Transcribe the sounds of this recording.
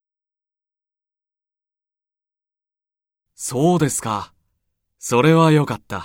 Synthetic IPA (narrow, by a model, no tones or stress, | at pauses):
so̞ːd̪e̞sɨ̥ka | so̞ɾe̞βajo̞kat̪ːa